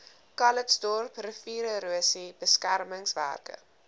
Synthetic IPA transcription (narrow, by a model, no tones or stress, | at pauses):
kɐlətsdɔrprəfiːɾəɾuəsibəskærməŋsvæ̰rkə̰